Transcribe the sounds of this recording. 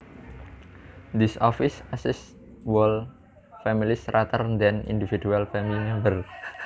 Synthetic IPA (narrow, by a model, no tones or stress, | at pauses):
d̪isɔfisasɪs | wɔl | fɛmilisrʔat̪ərnd̪ɛnḭndividualfɛmilimɛmbər